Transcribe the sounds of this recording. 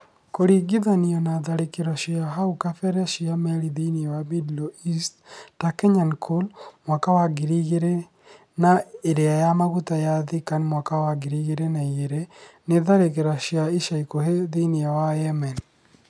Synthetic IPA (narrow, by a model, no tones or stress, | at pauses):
koɾiɡɪðaniɔnaðaɾekeɾɔʃiaɦaukafɛɾɛʃɪamɛɾiðiniawabidloisttakɛɲankʰolmwakawaɡiɾiɡeɾe | naeɾeajamaɣutajaðɪkanmwakawaɡiɾiɡeɾenajeɾenɪðaɾek̬eɾaʃɪaiʃaikoheðiniawajɛmɛn